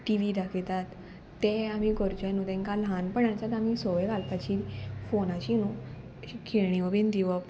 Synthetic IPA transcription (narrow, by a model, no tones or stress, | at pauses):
ʈiʋid̪akʰet̪at̪ː | eam̤iɡɔɾd͡ʑanut̪ẽŋkalɦãnpəɳãt͡sat̪am̤isɔʋeɡalpat͡ɕifonat͡ɕinu | kʰeɳ̃iʋəbend̪iʋɔ